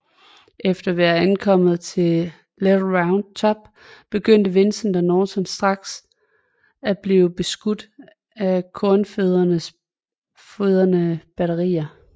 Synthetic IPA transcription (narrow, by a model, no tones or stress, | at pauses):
ʔefd̥ɐʋæːɐænkʰɒ̽m̰ð̩ˠt͡sʰe̝ | ledʁɑ̈ʊnd̥̚t͡sʰɒ̽b̥̚ | b̥e̝ɡ̥øn̰d̥əʋe̝nsn̩d̥ænɒːsɒnsd̥ʁɑ̈ɡ̥s | æb̥liːʊb̥e̝sɡ̥ud̥ | ækʰɔɐnføðˠɐnəs | føð̞ˠɐnəb̥æɾɐʁḭːɐ